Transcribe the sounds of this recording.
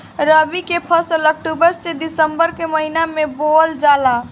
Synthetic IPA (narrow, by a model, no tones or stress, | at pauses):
ɾəbikepʰəslək̚ʈubəɾssed̪isəmbəɾkeməɦinamebold͡ʒala